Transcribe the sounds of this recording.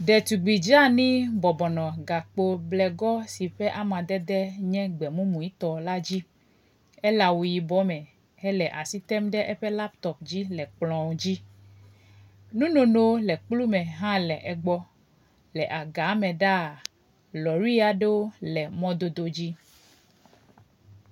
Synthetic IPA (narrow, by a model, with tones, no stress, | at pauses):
ɖɛ˨t̪u˨ɡ͡bi˨d͡ʒa˦nĩ˦bɔ˨bɔ˨nɔ̃˨ɡa˨k͡po˦blɛ˨ɡɔ˦si˨ɸɛ˦ʔa˦mã˨d̪ɛ˦d̪ɛ˦ɲɛ̃˦ɡ͡bɛ˨mũ˦mũ˨ji˦t̪ɔ˨la˦d͡ʑi˦ | ɛ˦la˨wu˨ji˨bɔ˦mɛ˨ | ɛ˦lɛ˨ʔa˨si˦t̪ɛ˦mɖɛ˦ʔɛ˦ɸɛ˦la˦pt̪ɔ˨pd͡ʑi˦lɛ˨k͡plɔ̃˨wd͡ʑi˦ | nũ˦nõ˨no˦wlɛ˨k͡plu˦mɛ̃˨ɦã˦lɛ˨ʔɛ˨ɡ͡bɔ˦ | lɛ˨ʔa˨ɡa˨˦mɛ̃˨ɖa˦˨ | lɔ˨ɾui˦a˨ɖe˦wo˦lɛ˨mɔ̃˦d̪o˨d̪o˨d͡ʑi˦